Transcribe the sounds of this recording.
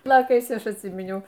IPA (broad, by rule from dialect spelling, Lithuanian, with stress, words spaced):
pʲɪˈjoːkɐɪs ˈɐʃ ɐtʲˈsʲiːmʲɪnʲɛʊ